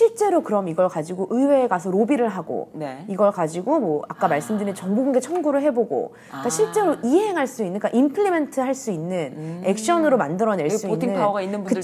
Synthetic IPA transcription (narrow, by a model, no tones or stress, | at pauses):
ɕʰiɭt͡ɕ͈e̞ɾokɯɾʌmiɡʌɭkad͡ʑiɡoʔɯwe̞ːkas̬ʰʌɾobiɾɯɭɦaɡo̰neiɡʌɭkad͡ʑiɡomwʌak͈amaɭs͈ɯmdɯɾinɯnt͡ɕʌŋbuɡɯŋɡe̞t͡ɕʰʌŋɡuɾɯɭɦeboɡo̰ | k͈aɕʰiɭt͡ɕ͈e̞ɾoʔiɦe̞ŋɦaɭs͈uinːɯnk͈aʔimpʰɯɭːime̞ntʰɯɦaɭs͈uinːɯne̞k̚ɕ͈ʌnɯɾomandɯɾʌne̞ɭ͈uinʰiːɯnnaɡainːɯnbukɯt͡ɕ